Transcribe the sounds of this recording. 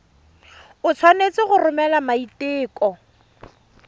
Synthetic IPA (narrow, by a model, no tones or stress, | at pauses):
ʊt͡sʰwanet͡sɪɣʊrʊmɛlamaitɪːkɔ